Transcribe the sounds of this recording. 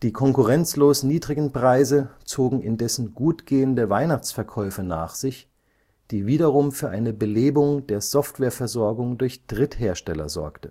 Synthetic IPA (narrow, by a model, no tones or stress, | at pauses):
d̥iːkʰɔŋkʊʁɛnt͡sloːsniːdʁɪɡn̩pʁ̥aɪzət͡soːɡŋ̩ɪndɛsn̩ɡuːtɡ̥eːəndəvaɪnaχt͡sfɛɐkʰɔʏfəna̰ːχz̥ɪç | d̥iːviːɾɐʁʊmfyːɐʔaɪnəbəleːbʊŋd̥eːɐz̥ɔftv̥eːɐfɛɐzɔɐɡʊŋdʊɐçd̥ʁɪtheːɐʃtɛlɐ̰zɔ̰ɐktə